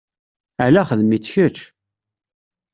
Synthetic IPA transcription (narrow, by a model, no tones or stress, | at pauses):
alæχəðmit͡sːʃət͡ʃ